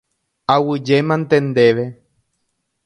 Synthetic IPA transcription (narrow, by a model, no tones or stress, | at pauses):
awɨd͡ʒemãnt̪end̪eʋe